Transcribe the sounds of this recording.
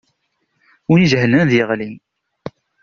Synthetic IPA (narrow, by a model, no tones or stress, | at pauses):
uniʒhlənðjəʁlin